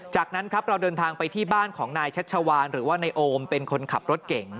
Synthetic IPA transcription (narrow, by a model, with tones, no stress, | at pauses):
t͡ɕaː˨˩k̚na˦˥nkʰɾa˦˥p̚ɾa˧wdɤː˧nt̪ʰaː˧ŋpa˧jt̪ʰiː˥˩baː˥˩nkʰɔː˩˦ŋnaː˧jt͡ɕʰa˦˥t̪̚t͡ɕʰa˧waː˧nɾɯː˩˦waː˥˩na˧jʔoː˧mpe˧nkʰo˧nkʰa˨˩p̚ɾo˦˥t̪̚ke˨˩ŋŋ